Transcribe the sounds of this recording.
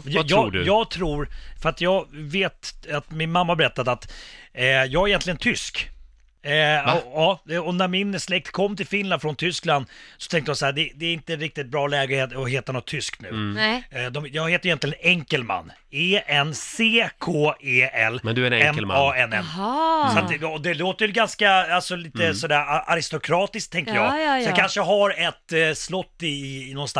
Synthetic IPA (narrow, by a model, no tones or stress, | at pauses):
mɛnjj̪ɑːuːɖ̰jɑːɡt̪ʰɾuːɾfœɾat̪jɑːɡveːt̪at̪mɪnmamːabɛɾɛt̪ːad̪at̪ | jɑːɡaɾjɛnt̪lɪɡənt̪ʰʏsk | ɔɑɔnæɾmɪnslɛk̚t̪kʰɔmːt̪ʰɪlfɪnland̪fɾɔnt̪ʰʏskland̪sɔt̪ʰɛŋkt̪əjhasahæɖ̪ɛd̪ɛːɾɪnt̪əɛnɾɪk̚t̪ɪt̪̚bɾɑːlɛːɡənheːt̪ɔɦeːt̪anɔt̪ʰːʏsknʉ̟̰ːd̪ɔmjɑːɡheːt̪əjʏjɛnlɪɡəɛnɛŋkəlma̰nː | eːɛnːseːkʰoːeːɛlːmɛd̪ɵɛɑːɛnɛ̰msat̪ɔd̪ɛloːt̪əɾjɵɡanskaalsɔliːt̪əsɔd̪æːɾaʔaɾɪst̪ʊkʰɾɑːt̪ɪsk̚t̪ʰːɛŋkəɾjɑːɡjɑkʰanʂəɦaɾɛt̪ːslɔt̪ːɪːnɔnst̪a